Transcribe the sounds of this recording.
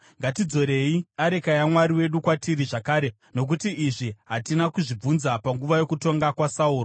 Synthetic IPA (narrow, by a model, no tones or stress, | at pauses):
ŋɡatid͡zo̞ɾe̞iaɾe̞kajamwaɾiwe̞ɗukwatiɾiʐakaːɾe̞ | no̞k̬utiːʐiɦatinakuʐib͡vunzapaŋɡuʋajo̞kuto̞ŋɡakwasauːro